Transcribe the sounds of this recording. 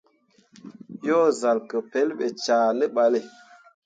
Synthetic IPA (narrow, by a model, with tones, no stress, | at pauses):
jo˦za˨lkə˨pe˨˦lɓe˨t͡ʃaː˨nə˦ɓa˨le˨